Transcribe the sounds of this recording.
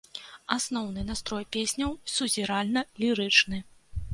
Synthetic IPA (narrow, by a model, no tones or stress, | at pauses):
asnɔwnɨnast̪ɾɔjpʲesʲnʲɐwsʲuzʲiɾalʲnɐlʲiɾɨt͡ʂnɨ